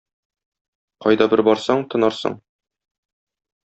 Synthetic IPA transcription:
qɒjd̪ɑbɘɾbɒɾsɑɴt̪ɤ̆nɑɾsɤ̰ɴ

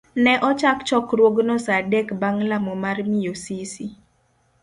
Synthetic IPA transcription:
nɛʔɔt͡ʃakt͡ʃɔkɾwoɡnɔsadɛkbaŋlamɔmarmijosisi

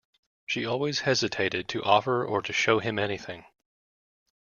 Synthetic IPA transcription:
ʃiɔlˠwiz̥hɛzɨtʰeɪɾɨd̚tʰɨʔɔfə˞ə˞ɾɨʃoʊɨ̃mɛniθɪ̃ŋ

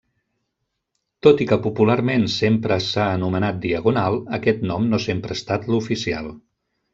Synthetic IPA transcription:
t̪ot̪ikəpupulaɾmensempɾəsaənumənat̪̚d̪iəɣunalˠəkɛt̪nɔmnosempɾəst̪at̪lufisia̰lˠ

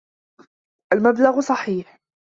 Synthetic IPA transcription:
ʔalmablaɣsˤɑħiːħ

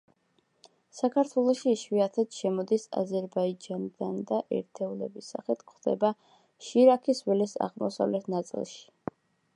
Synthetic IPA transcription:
sakʰaɾt̪ʰwɛlˠɔʃiːʃwiat̪ʰɛd̪̥ʃɛmɔd̪isa̰zɛɾbaid͡ʒanid̪̥and̪aʔɛ̰ɾt̪ʰɛulɛ̰bisaχit̪ʰkχd̪̥ɛ̰ba | ʃiɾakʰiswɛlisa̰ʁmɔ̰sa̰vlɛt̪ʰnat̪sʼḭlˠʃi̥

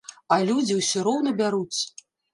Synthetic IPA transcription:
ɐlʲud͡zʲiwsʲɔɾɔwnɐbʲaɾut͡sʲ

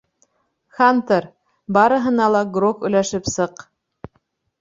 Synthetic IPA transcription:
xɑnt̪ɤɾ | bɑɾɤ̆ɦɤ̆nɑlˠɑɡrokɵ̆jlæʃɘpsɤq

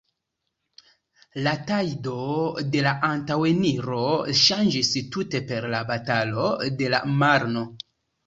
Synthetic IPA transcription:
latajdo̞de̞laʔantaweniɾo̞ʃand͡ʒistute̞pe̞ɾlabatalo̞de̞la̰maɾno̞

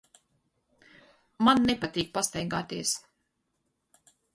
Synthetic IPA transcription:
manːepat̪ʲiːk̚past̪ɛjɡaːt̪iɛs

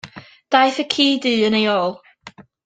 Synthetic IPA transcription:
d̥ajθəkʰiːdɨːənejoːlˠ

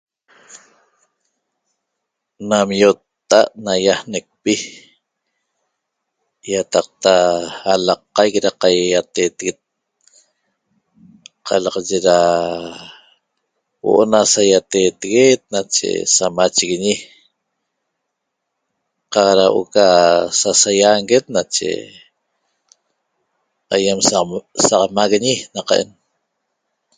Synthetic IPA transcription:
namjot̪ːaʔnajahnek̚pi | jat̪ɑq̚t̪aːlɑqːɑjkɾaqajat̪et̪ɣet̪̚ | qʰɑlɑʁɑʒeɾa | wo̰ʔonasajat̪eːt̪eɣet̪̚nat͡ʃḛsamat͡ʃiɣiɲi | qɑqɾawʔo̰kasasajaŋɡet̪̚nat͡ʃḛ | ajemsaqɑmaɣiɲinaqɑʔḛn

